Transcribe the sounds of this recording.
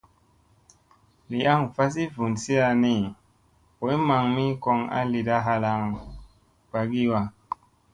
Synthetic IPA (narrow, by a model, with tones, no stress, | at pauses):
li˨a˦ŋfa˦s̬i˦vu˨nsi˦a˧ni˨ | ko˨˦i˦ma˨ŋmi˦ko˧ŋa̰˦li˨da˦ɦa˧la˧ŋ | ba˨ɡi˦wa˨